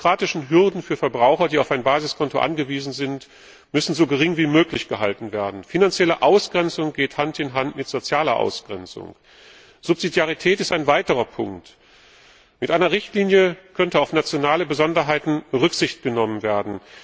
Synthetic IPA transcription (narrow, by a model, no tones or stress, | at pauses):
kʁ̥aːtɪʃn̩ɦʏɐdn̩fyːɐfɛɐbʁaʊxɐdiːaʊfaɪnbaːzɪskʰɔntoʔa̰nɡəviːzn̩zɪnt | mʏsn̩zoːɡəʁɪŋviːmøːklɪçɡ̥əɦaltn̩veːɐdn̩finant͡sjɛləʔaʊsɡ̥ʁɛnt͡sʊŋɡ̥eːthantɪnɦantmɪtz̥ot͡sjaːlɐʔa̰ʊsɡ̥ʁɛnt͡sʊ̰ŋ | z̥ʊpz̥idjaʁ̞itʰɛːtɪstaɪnvaɪtəʁɐpʰʊŋkt | mɪtʔaɪnɐʁɪçtliːnjəkʰœntəaʊfnat͡sjonaːləbəzɔndɐɦaɪtn̩ʁʏkz̥ɪçt̚ɡ̥ənɔmənveːɐdn̩